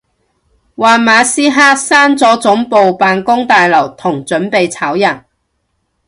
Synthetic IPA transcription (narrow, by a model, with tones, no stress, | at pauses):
waː˨nmaː˨˧siː˥ɦaː˥saː˥nt͡sɔː˨˥t͡sʊ˨˥ŋpo˨wpaː˨nkʊ˥ŋt̪aː˨jlɐ˨˩wt̪ʰʊ˨˩ŋt͡sɵ˨˥npe˨jt͡sʰaː˨˥wjɐ˨˩n